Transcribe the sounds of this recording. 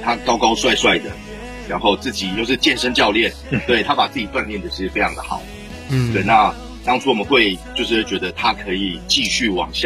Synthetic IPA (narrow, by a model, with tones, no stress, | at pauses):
t̪ʰa˦˥kɑ˥ʊkɑ˥ʊswa˥˧ɪswa˥˩ɪd̪ə˩ | ɻɑ˧˥nxo˥˧ʊt͡sɹ̩˥˩t͡ɕi˨˩t͡ɕjo˥˧ʊʂ̬ɻ̩˥˩t͡ɕjɛ˥˨nʂə˥nt͡ɕjɑ˥˧ʊljɛ˥˨nt̪we˥˩ɪt̪ʰa˦˥pa˨˩t͡sɹ̩˥˩t͡ɕi˨˩t̪wa˥˧nljɛ˥˩nd̪ə˨˩ʂɻ̩˥˩fe˥ɪɑ˧˥ŋd̪ə˨xɑ̰˨˩˦ʊ | t̪we˥˩ɪna˥˨ | t̪ɑ˥ŋt͡sʰu˥wɔ˨mə˨nxwe˥˧ɪt͡ɕjo˥˧ʊʂɻ̩˥˧wt͡ɕɥɛ˧˦d̪ə˧t̪ʰa˦˥kʰɤ˧˦˥i˨˩t͡ɕi˥˧ɕy˥˩wɑ̰˨˩ŋɕ